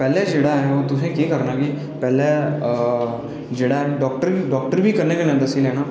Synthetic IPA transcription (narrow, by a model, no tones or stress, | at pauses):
pɛːleːd͡ʒeːɽaːɦɛːoːt̪ʊsẽːkiːkəɾnaːɡiː | pɛːleː | d͡ʒeːɽaːɦɛːɖɔːk̚ʈəɾiɖɔːk̚ʈəɾbiːkəɾneːkənẽd̪əsiːlɛːñaː